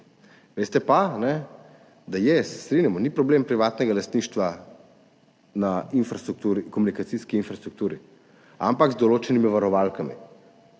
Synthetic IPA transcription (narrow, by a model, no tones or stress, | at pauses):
ʋest̪ɛpanɛ | d̪ajɛsɛ̥st̪ɾinjamɔnipɾɔbleːmpɾiʋaːt̪nɛɡalast̪niːʃt̪ʋa | nainfɾast̪ɾuk̚t̪uːɾikɔmunikat̪siskiːnfɾast̪ɾukt̪uːɾi | a̰mpaɡzd̪ɔloːt͡ʃɛnimiʋaɾɔʋalkamḭ